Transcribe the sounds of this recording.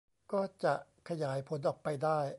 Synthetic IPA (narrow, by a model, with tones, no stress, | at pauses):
kɔː˥˩t͡ɕa˨˩ʔkʰa˧jaː˩˦jpʰo˩˦nʔɔː˨˩k̚pa˧jdaː˥˩j